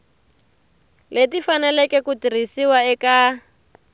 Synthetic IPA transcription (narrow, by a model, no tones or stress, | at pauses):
letifanɛlɛkɛkutir̤isiwaɛka